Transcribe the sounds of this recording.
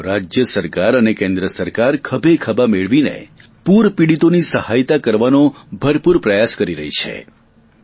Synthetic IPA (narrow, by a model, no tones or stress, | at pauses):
ɾad͡ʒjəsəɾkaɾənekẽnd̪ɾəsəɾkaɾkʰəbʱekʰəbameɭʋinḛ | puɾpiɽit̪onisəhajt̪akəɾʋanõbʱəɾpuɾpɾəjaskəɾiɾə̰ɦit͡ʃʰḛ